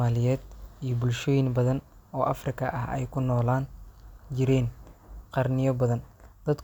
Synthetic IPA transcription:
aːlɪjɛːd̪ijɞbʊlʃɔːjɪŋbɐðɐn | ɔːʔɐfrɪkʰɐʔɐɦɛ̰jkʰʊnɔːlaːnd͡ʒɪɾɛːnqɑrnɪjɐbɐðɐnd̪̥ɐd̪

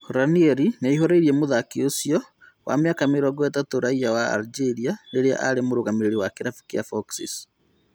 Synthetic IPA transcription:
hoɾaniɛɾineiɦoɾeiɾiɛmoðakeosjɔ | wʔa̰mojakameɾɔɡoetatoɾaijawaa̰ɾid͡ʒeɾianeɾea̰ʔaɾemoɾoɣameɾeɾiwakeɾafu̥kiafɔksḭs

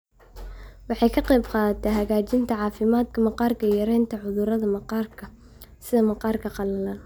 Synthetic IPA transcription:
wɑħɑjkʰɐqɑjbqɑːðɐt̪ʰɛɦɐɣaːt͡ʃɪnt̪ʰɐʕɑːfɪmaːd̪kʰɐmɑqɑːrkʰɐjɐɾɛjnt̪ʰɐʕʊðʊɾɐðɐmɑqɑːrkʰɐ | sɪðɐmɑqɑːrkʰɐqɑlɐlaːn

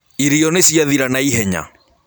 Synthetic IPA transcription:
iɾiɔnesiaðiɾanaiɦɛɲa̰

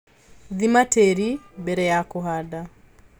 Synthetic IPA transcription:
ðimateɾibɛɾɛjakoɦada

